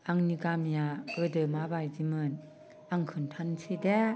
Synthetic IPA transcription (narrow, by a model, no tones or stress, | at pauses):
aŋniɡamijaɡ̥ɯdɯmabajzimɯn | aŋkʰɯntʰansʰɯde